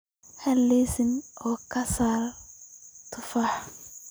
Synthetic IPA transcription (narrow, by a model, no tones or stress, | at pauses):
hɐlːiːsɪnʔɔːkʰɐsaːɾ | t̪ʰʊfaːħ